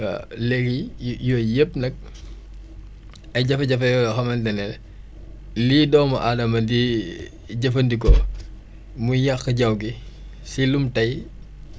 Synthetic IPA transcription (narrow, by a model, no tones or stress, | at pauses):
a̰lɛɡijjɔjep̚nɐk̚ | ɐjɟɐfɐɟɐfɐjɔlɐxɐmɐndɐnɛl | liːdɔːmɐʔadɐmɐndi | ɟɐfɐndik̬ɔ | mujjaxəɟɐwɡi | silumtɐj